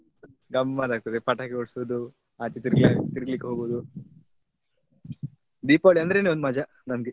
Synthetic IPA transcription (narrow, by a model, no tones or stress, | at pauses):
ɡɐmːaːd̪aːɡ̚t̪ɐd̪epɐʈaːkeoɽsod̪u | aːt͡ʃit̪iɾɡt̪iɾɡɐlikːeɦoːɡoʋd̪u | d̪iːpaʋɭiɐnd̪ɾe̞ːneond̪mɐd͡ʒɐ | nɐmɡe